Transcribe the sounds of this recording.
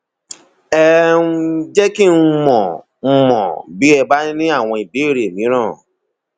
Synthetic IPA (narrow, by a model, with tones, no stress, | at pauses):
ɛ˦ | d͡ʒɛ˦ki˦˨n̩˦˧mɔ̃˨˦ | mɔ̃˨bi˨˦ɛ˧bã˦nĩ˦a˦˨w̃ɔ̃˧i˨bi˨˦i˦˨ɾe˨mĩ˨˦ɾ̃ãː˦˨